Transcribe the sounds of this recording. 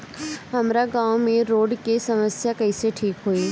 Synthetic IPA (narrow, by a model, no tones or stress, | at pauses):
ɦɐmɾaɡãːwmẽɾoːɖkesɐməsjakɐiseʈʰiːkɦuiː